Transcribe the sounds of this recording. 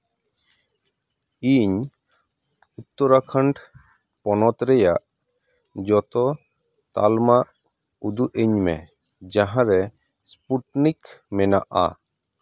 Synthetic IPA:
iɲ | ut̪ːɔɾakʰaɳɖ | pɔnɔt̪ɾɛjaʔ | d͡ʒɔt̪ɔ | t̪a̰lmaʔ | ud̪uʔeɲmɛ̰ | d͡ʒaɦãɾɛ | spuʈnikmɛnaʔa̰

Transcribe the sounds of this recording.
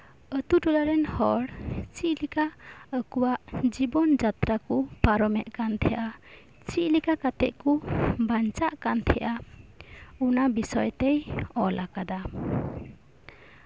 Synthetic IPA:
ət̪uʈulaɾɛnhɔɽt͡ʃiʔlikaəkuwaʔd͡ʒibɔnd͡ʒat̪ɾakɔpaɾɔmɛʔkant̪ʰɛʔa | t͡ʃiʔlikakat̪ɛʔkubant͡ʃaʔkant̪ʰɛʔa | unabisɔjt̪ɛjɔlʔakad̪a

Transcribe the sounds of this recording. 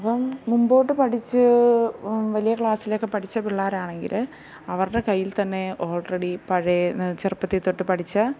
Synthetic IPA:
ɐpːɐmːumbo̞ːʈːɨpɐʈʰit͡ɕːɨ | ʋɐlijɐkɭaːsilokːe̞pɐʈʰit͡ɕːɐpiɭːaːɾaːɳeŋɡḭl | ɐʋɐrɨɽe̞kɐjːilt̪ɐnːeoːɭreɽipɐɻet͡ɕerpːɐt̪ːit̪ːoʈːɨpɐʈʰit͡ɕːɐ

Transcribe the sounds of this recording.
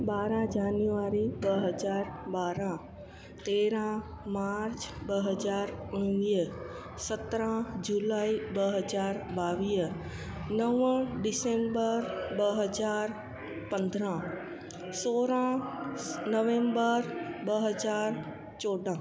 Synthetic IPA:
baːɾãd͡ʒaːnjuʋaɾibəɦəd͡ʒaːɾbaːɾã | t̪eɾã | maɾt͡ʃbəɦəd͡ʒaɾʊɳ̃iː | sət̪ɾãd͡ʒulaːibəɦəd͡ʒaːɾbaːʋiː | nəʋə̃ɖɪsẽmbəɾbəɦəd͡ʒaːɾ | pə̃nd̪ʱɾã | soɾã | nəʋẽmbəɾbəɦəd͡ʒaːɾ | t͡ʃoːɖã

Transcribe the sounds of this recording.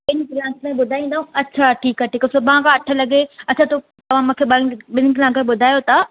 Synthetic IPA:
ɓɪnkɪlãːklãɓʊd̪ʱaːĩːnd̪aɦũɐtːt͡ɕʰaʈʰiːkaʈiːkɐsomãkʰãɐʈʰə̆lɐɡeɐt͡ɕʰãt̪o | t̪ɐʋ̤ãmũːkʰeːɓɐɓɪnkɪlãːkẽɓʊd̪ʱaːjot̪a

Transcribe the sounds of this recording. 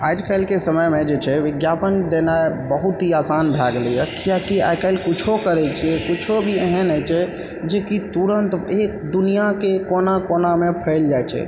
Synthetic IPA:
aːd͡ʒkaɪlkesəməjmed͡ʒet͡ʃʰɛʋɪɡjapənd̪enaebəɦut̪ɦiasanbʱaɡlijəkiakia̰kalkut͡ʃʰokəɾɛt͡ʃʰiɛkut͡ʃʰobʱieɦənɦɛt͡ʃʰɛ | d͡ʒekit̪uɾənt̪ek̚d̪unijakekonakonamepʰəɪld͡ʒajt͡ʃʰɛ̰

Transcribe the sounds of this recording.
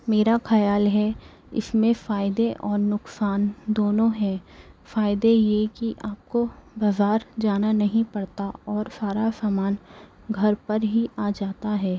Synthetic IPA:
meːɾaxɐjaːlɦɛ | ɪ̰smẽfaːɪd̪eʔɔːɾnʊksaːnd̪oːnõɦɛ̃ːfaːɪd̪ejekiʔaːp̚kobɐzaːɾd͡ʒaːnanɐɦĩpɐɽt̪aɔːɾfaːɾasaːmaːn | ɡʱɐɾpɐɾɦiʔaːd͡ʒaːt̪aɦɛː

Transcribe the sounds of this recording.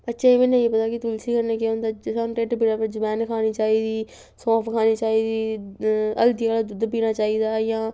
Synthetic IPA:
bət̪ːʃeːeːmẽːnẽːeːpət̪aːkɪt̪ʊlsiːkəɾneːkeʊ̃ːnd̪aːsanʈeːʈbiɽaːpəɾd͡ʒəpɛːnkʰaːniːt͡ʃaːiːd̪iː | sãːpʰkʰaːniːt͡ʃaːiːd̪iː | ə̰ld̪iːkaːlaːd̪ʊd̪piːnaːt͡ʃaːiːd̪aːjãː

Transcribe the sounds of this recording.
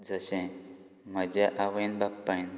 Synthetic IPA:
d͡zəɕɛ̃ | m̤əd͡ʑeʔaʋə̃nbakpːajn

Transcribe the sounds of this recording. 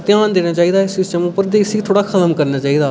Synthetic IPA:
t̪ɪjaːnd̪eːnaːt͡ʃaːiːd̪aːɪsɪsʈəmʊpːəɾd̪eːsiːt̪ʰoːɽaːkʰət̪əmkəɾnaːt͡ʃaːiːd̪aː

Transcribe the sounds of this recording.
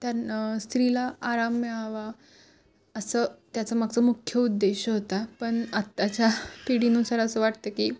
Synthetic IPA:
t̪aɾst̪ɾilaaɾamːɛɭaʋa | əsəːt̪jat͡səmaɡ̚t͡səmukʰjəud̪ːeɕəɦot̪apəɳat̪ːat͡ɕjapiɽinũsaɾaəsəʋaʈt̪əkiː

